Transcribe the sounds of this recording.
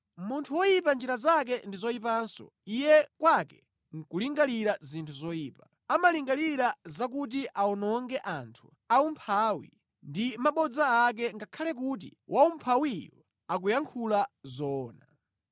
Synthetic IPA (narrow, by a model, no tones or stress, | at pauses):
muntʰuwɔjipand͡ʒiɾazak̬ɛndizɔipansɔ̰ | ijɛkwakɛ | ŋ̩kuliŋɡaliɾazintʰuzɔjiːpa | amaliŋɡaliɾazakut̬iʔaɔnɔŋɡɛʔantʰu̥ | aumpʰawḭ | ndimaɓɔd͡zaːk̬ɛŋɡakʰalɛk̬ut̬ḭwʔaumpʰawijɔ̰ | akujaŋkʰulazɔːna